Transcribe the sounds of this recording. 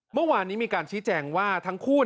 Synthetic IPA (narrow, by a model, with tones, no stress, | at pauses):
mɯ˥˩waː˧nːiː˦˥miː˧kaː˧nt͡ɕʰiː˦˥t͡ɕɛː˧ŋwaː˥˩t̪ʰa˦˥ŋkʰuː˥˩